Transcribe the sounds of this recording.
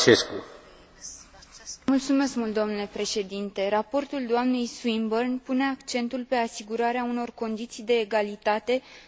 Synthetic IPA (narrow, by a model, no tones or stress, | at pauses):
t͡ʃesku | mult̪sume̞skmult̪d̪omnule̞pɾe̞ʃe̞d̪int̪e̞ɾapo̞rt̪uld̪oamne̞jswimbərnpune̞akt͡ʃe̞nt̪ulpe̞asiɡuɾaɾeauno̞rko̞nd̪it̪sijd̪e̞ːɡalit̪at̪e̞